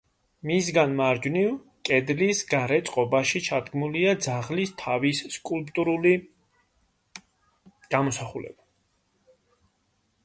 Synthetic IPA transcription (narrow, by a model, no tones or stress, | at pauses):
misɡanmaɾd͡ʒniv | kʼɛd̪lisɡaɾɛt̪sʼqʼɔbaʃit͡ʃʰad̪ɡmuliad̪zaʁlist̪ʰavisːkʼulpʼt̪ʼuɾuli | ɡ̥amɔsaχulɛ̰ba